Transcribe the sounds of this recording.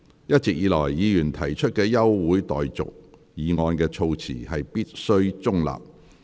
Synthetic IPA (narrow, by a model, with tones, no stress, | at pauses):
jɐ˥t̚t͡sɪ˨k̚jiː˨˧lɔ̰ː˨˩jːiː˨˧jyː˨˩nt̪ʰɐ˨˩jt͡ʃʰɵ˥t̚kɛː˧jɐ˥wːuː˨˥jt̪ɔ̰ː˨jt͡sʊ̰˨k̚jiː˨˧ŋɔː˧nkɛː˧t͡ʃʰo˧wt͡sʰḭː˨˩hɐ˨jpiː˥t̚sɵ˥ɥt͡sʊ˥ŋla̰ː˨˩p̚